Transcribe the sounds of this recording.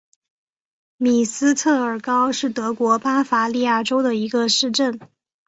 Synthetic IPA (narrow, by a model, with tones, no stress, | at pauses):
mi˨˩sɹ̩˥t̪ʰɤ˥˩ə˞˨˩kɑ˥ʊʂɻ̩˥˩t̪ɤ˧˥kwɔ˧˥pa˥fa˧˥li˥˧ja˥˩ʈ͡ʂo˥ʊd̪ə˨i˧˥ɡə˧ʂɻ̩˥˧ʈ͡ʂə˥˩n